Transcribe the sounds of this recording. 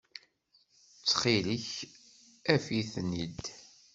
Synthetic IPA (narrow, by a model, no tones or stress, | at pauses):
ət͡sːχiləç | æfiθnid̪